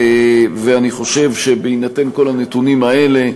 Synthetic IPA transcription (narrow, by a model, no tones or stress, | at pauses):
veaniχo̞ʃe̞vʃe̞beinate̞nko̞lanetunimae̞le̞